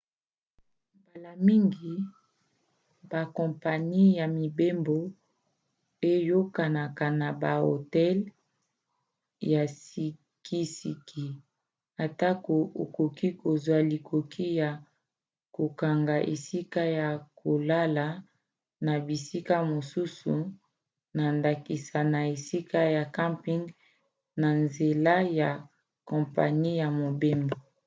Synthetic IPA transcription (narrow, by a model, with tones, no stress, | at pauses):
mba˨la˨mi˦ŋɡi˨ | ba˨kɔ̃˨mpa˨ni˦ja˨mi˨be˦mbo˨ | e˦jo˦ka˨na˨ka˨na˨ba˨o̰˨tɛ˦l | ja˨si˨ | ki˦si˨kʰi˦ | a˨ta˦ko˨o˨ko˨ki˦ko˨zwa˨li˨kʰo˨kʰi˦ja˨ | ko˨ka˨ŋɡa˨ʔḛ˨si˦ka˦ja˨ko˨la˦la˨˦ | na˨bi˨si˦ka˦mo˨su˦su˨ | na˨nda˨ki˨sa˨na˨e˨si˦ka˦ja˨ka˦mpi˦ŋɡ | na˨nze˨la˦ja˨ | kɔ̃˨mpa̰˨ni˦ja˨mo˨be˦mbo˨